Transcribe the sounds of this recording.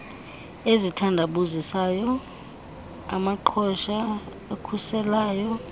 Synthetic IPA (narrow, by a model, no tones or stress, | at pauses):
ezitʰandʱaɓuzisaːjɔ | a̰maǃʰɔʃa | akʰusɛlaːjɔ